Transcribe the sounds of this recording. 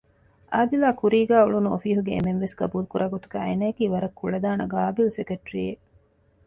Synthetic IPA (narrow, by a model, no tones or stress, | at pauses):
ʔaːd̪ilaːkuɾiːɡæːuɭunuofiːɦuɡeḛmenʋesɡɐbuːlukuɾʔaːɡot̪uɡæ̰ːḛnɐjɐkiːʋɐɾɐkːuɭɐd̪aːnɐɡaːbilusekeʈɾḭːe